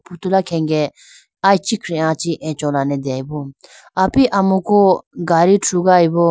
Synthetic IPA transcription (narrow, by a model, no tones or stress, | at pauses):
pʰut̪ulakʰɛ̃ŋɡɛ | ajt͡ʃikʰɾɛãt͡ʃiʔɛ̃t͡ʃɔ̃lanɛd̪ɛajbɔ | apiʔamukɔɡaɾitʰɾuɡajbɔ